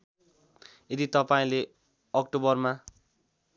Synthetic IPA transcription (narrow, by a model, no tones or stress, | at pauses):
jed̪it̪ʌpaĩle | ʌk̚ʈobʌrma